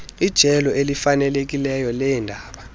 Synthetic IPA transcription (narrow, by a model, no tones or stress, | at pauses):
id̥ʒ̥ʱɛlɔelifanɛlek̬ʼilɛjɔlɛindʱaːɓa